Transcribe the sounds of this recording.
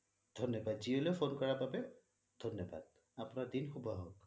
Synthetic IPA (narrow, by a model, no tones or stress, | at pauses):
d̥ʱɔnjɔbadziolepʰonkɔɹababɛ | dʱɔnjɔba̰d̚ | apunaɹdinxʰubɔɦɔk